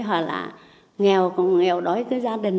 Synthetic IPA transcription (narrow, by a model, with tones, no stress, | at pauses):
ɦwa˨˩la̰ː˨˩ | ŋɛ˨˩˨wkɔ̰˧˩nŋɛ˨˧˨wɗɔ˨˦jkɨː˨˦jzaː˧ɗï˨˩ŋ̟